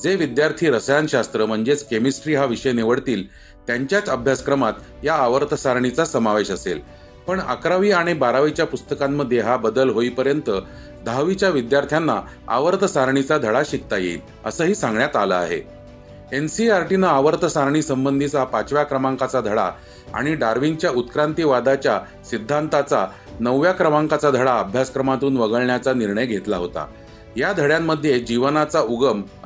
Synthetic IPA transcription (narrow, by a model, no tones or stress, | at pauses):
d͡zeʋid̪jaɾt̪ʰiːɾəsjanɕast̪ɾəm̤əɳd͡zet͡skemisʈɾiːɦaʋiɕəjneʋəɽt̪iːl | t̪jaɲt͡ɕjat͡səbʱjaskɾəmat̪jaːʋəɾt̪ʰəsaɾɳ̃it͡sasəmaʋeɕəsel | pəɳa̰kɾaʋiːaɽ̃ibaɾaʋit͡ɕjapust̪əkamːəd̪ʱjeɦabəd̪əlɦoiːpəɾjənt̪ə | d̪ʱaʋit͡ɕjaʋid̪jaɾt̪ʰjanːa | a̰ʋəɾt̪ʰəsaɾɳ̃it͡sad̪ʱəɽaɕik̚t̪ajḛḭt̪ | əsəːɦiːsãŋɡɳjat̪aləa̰ɦḛ | ensiaɾʈinəaʋəɾt̪ʰəsaɾɳiːsəmbənd̪ʱit͡sapat͡sʋjakɾəmaŋkat͡sad̪ʱəɭa̰ | a̰ɽ̃iɖaɾʋiŋɡt͡ɕjaut̪kɾant̪iʋad̪at͡ɕja | sid̪ʱːant̪at͡sa | nəʋːjakɾəmaŋkat͡sad̪ʱəɽaəbʱjaskɾəmat̪uːnʋəɡəɭɳjat͡saniɾɳəjɡʱet̪laɦot̪a̰ | jad̪ʱəɽjamːəd̪ʱjed͡ʑiʋnat͡sauɡəm